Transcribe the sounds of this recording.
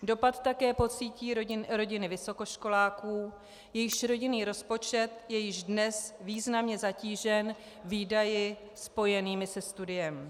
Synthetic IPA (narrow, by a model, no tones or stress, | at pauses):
do̞pat̪t̪akɛːpo̞t͡siːciːɾoɪɾo̞ɟɪnɪvɪso̞ko̞ʃko̞laːkuː | jɛjɪʃɾo̞ɟɪniːɾo̞spo̞t͡ʃɛt̪jɛjɪʒdnɛsviːznamɲɛzaciːʒɛn | viːdajɪ | spo̞jɛniːmɪsɛst̪udɪjɛm